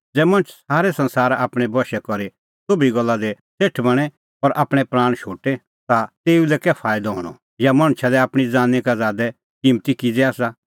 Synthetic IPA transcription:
d͡zɛːmɐ̃nt͡ʃʰsaːɾɛsɐ̃nsaːɾaːpɽ̃ɛbʱɔʃɛkɔɾi | soːbiɡɔlːad̪ɛ | seːʈʰbɐɽ̃ɛ | ɔɾʔaːpɽ̃ɛpɾaːɽ̃ʃoːʈɛ | t̪at̪eːulɛkɛpʰaːɪd̪ɔɦɔ̰ːɽ̃ɔ̰ | jamɐɽ̃t͡ʃʰalɛaːpɽ̃id͡zaːnɛkad͡zaːd̪ɛ | kimt̪ikid͡zɛaːsa

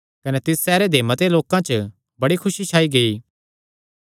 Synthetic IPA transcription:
kɐnɛt̪ɪsːɛːɾed̪ʱemət̪eloːkãt͡ʃə | bɐɽikʰʊʃit͡ʃʰaːiɡɐiː

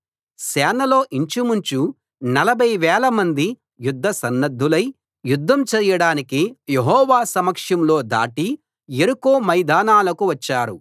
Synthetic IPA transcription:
sɛːnɐlo̞ːʔiɲt͡ʃimuɲt͡ʃu | nɐlɐbʱɐjʋɛːlɐmɐnd̪i | jud̪ʱːɐsɐnːɐd̪ʱːulɐj | jud̪ʱːɐmt͡ʃɐɾjɐɽaːnikijeɦɔːʋaːsɐmɐkʂjɐmlo̞ːd̪a̰ːʈi | eɾukoːmɐjd̪aːnaːlɐkuʋɐt͡ʃːaːɾu

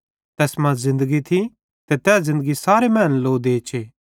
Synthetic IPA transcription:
t̪ɛːsmãzɪ̃nd̪əɡit̪ʰi | t̪et̪ɛːszɪ̃nd̪əɡisaːɾemɛ̃ːnloːd̪eːt͡ʃʰeː

